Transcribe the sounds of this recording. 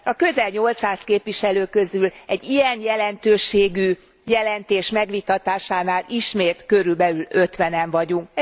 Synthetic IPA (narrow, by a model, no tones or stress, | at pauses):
ɒkø̞zɛlɲo̞lt̪saːskeːpʋiʃɛløːkøzylɛɟːijɛnjɛlɛnt̪øːʃeːɡyː | jɛlɛnt̪eːʃmɛɡʋit̪ɒt̪aːʃaːnaːliʃmeːt̪kø̞ɾylbɛlylø̞t̪ʋɛnɛɱvɒɟuŋk